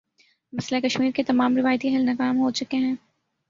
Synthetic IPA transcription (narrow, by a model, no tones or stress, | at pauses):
mɐslekɐʃmiːɾket̪ɐmaːmɾɪʋaːjt̪iɛɦɛlnɐkaːmɦot͡ʃʊkeɦɛ̃ː